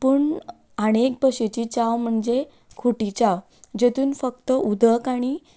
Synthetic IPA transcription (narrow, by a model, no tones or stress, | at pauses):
pəːɳ | əɽ̃ek̚bəɕet͡ɕiːt͡ɕawm̤əɳd͡ʑe | kʰuʈit͡ɕaw | d͡ʑet̪uːnfək̚t̪əud̪ʱəkaɽ̃i